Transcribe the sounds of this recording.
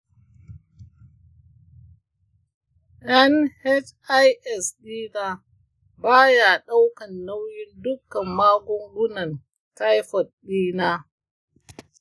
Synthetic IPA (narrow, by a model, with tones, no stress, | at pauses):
ʔɛ˦nhɛ˦t͡ʃa˦jʔɛ˨sɗiː˦naː˦ | baː˦ja˨ɗa˦wkɐ˨nːa˦wjɪ˦ndʊ˦kːɐ˨mːaː˦ɡʷɔ˦ŋɡʷʊ˦nɐ˨n | ta˦jɸɔ˨t̚ɗiː˦naː˦